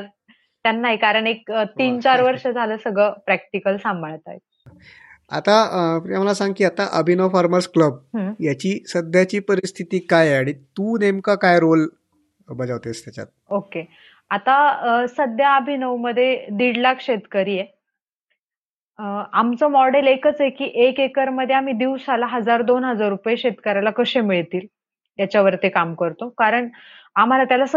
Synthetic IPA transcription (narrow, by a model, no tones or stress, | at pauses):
t̪janːaɦikaɾəɳ̃ek̚t̪iːnt͡ɕaɾʋəɾʂəd͡zʱaləsəɡʱɭəːpɾæk̚ʈikəlsambʱəɭt̪a̰jt̪̚ | a̰t̪at̪amalasãŋɡkiːat̪aʔəbʱinəʋfaɾməskləbɦə̃jat͡ɕiːsəd̪ʱjat͡ɕiːpəɾist̪ʰit̪iːkajaɽ̃it̪uːnemkakajɾol | bəd͡zaʋt̪est̪jat͡ɕa̰t̪̚oke | at̪asəd̪ʱjaːbʱinəwməd̪ʱːjed̪iɽlakɕet̪kəɾiːje | amt͡sɔmɔɽelekət͡sekiːʔekekəɾməd̪ʱːjeam̤iːd̪iwsalaɦəd͡zaɾd̪onɦəd͡zaɾːupəjeɕet̪kəɾalakəɕemiɭt̪iːl | jat͡ɕjaʋəɾt̪ekamkəɾt̪okaɾəɳ | am̤alat̪jalas